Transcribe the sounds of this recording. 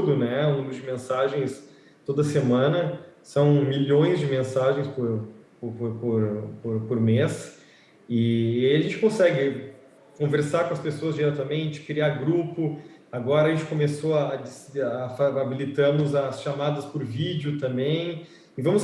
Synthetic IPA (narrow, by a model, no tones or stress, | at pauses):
d̪ʊnɛũmʊzd͡ʒɪmẽsaʒẽj̃s | t̪od̪ɐsemɐ̃nɐsɐ̃w̃miʎõj̃zd͡ʒɪmẽsaʒẽj̃spoɾppɾpoɾpoɾpoɾmes | ɪːaiɐʒẽnt͡ʃɪkõsɛɡɪ | kõveɾsaɾkõɐspesoɐzd͡ʒiɾɛt̪ɐmẽnt͡ʃɪ̥kɾiaɾɡɾupʊ | aɡɔɾɐʒẽnt͡ʃɪ̥kõmesoɐd͡ʒɪsːfaabilit̪ɐ̃mʊzɐsʃamad̪ɐspʊɾvid͡ʒʊt̪ɐ̃mbẽj̃ | ɪvɐ̃mʊs